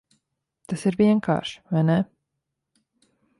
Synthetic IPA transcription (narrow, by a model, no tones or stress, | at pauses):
t̪asiɾviɛŋkʰa̰ːɾʃvajnɛ